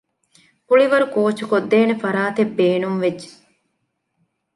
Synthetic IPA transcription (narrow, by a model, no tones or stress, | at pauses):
puɭiʋɐɾukoːt͡ʃukod̪ːeːnefɐɾaːt̪ebːeːnumʋed͡ʒd͡ʒːe̥